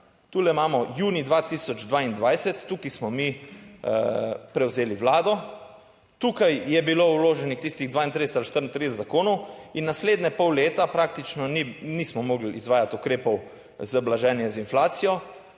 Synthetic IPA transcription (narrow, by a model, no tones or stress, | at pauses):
t̪uːlɛmaːmɔjuːnid̪ʋat̪isɔd͡ʒd̪ʋaːind̪ʋajsɛt̪ːukismɔmi | pɾɛwzeːliwlaːd̪ɔ | t̪ukajjɛbiloːwloːʒɛnixt̪ist̪iɣd̪ʋaːint̪ɾisɛt̪alʃt̪əɾnt̪ɾiːsɛt̪zakoːnɔwinːasleːd̪nɛpɔwleːt̪apɾaːk̚t̪it͡ʃnɔninismɔmoːɡliizʋaːjat̪ukɾeːpɔw | zəblaʒɛːnjɛzinflaːt̪sijɔ